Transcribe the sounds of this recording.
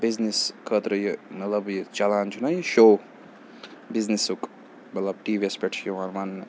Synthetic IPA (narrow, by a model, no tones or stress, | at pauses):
bizniskʰət̪ɾəjimɐt̪lɐbjit͡ʃɐlaːnt͡ʃʰunɐjʃow | biznisuk | mɐt̪lɐbʈiːʋespeʈʰjiʋanman